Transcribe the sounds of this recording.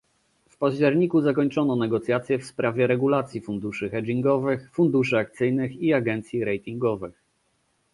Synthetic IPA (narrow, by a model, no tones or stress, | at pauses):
fpaʑd͡ʑɛɾɲikuzakɔɲt͡ʂɔnɔnɛɡɔt̪sʲjat̪sʲjɛfspɾavʲjɛɾɛɡulat̪sʲjifund̪uʂɘxɛd͡ʑiŋɡɔvɘxfund̪uʂɘakt̪sɘjnɘxiaɡɛnt̪sʲjiɾɛjt̪ʲiŋɡɔvɘx